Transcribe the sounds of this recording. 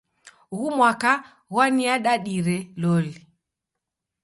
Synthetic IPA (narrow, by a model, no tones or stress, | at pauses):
ɣumwaka | ɣwaniaɗaɗiɾɛlɔli